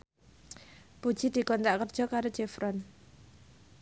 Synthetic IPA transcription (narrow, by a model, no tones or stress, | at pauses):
b̥ud̥ʒ̥id̪̥i̤kɔnt̪aʔkərd̥ʒ̥ɔkaɾod̥d͡ʒ̥ɛfɾɔn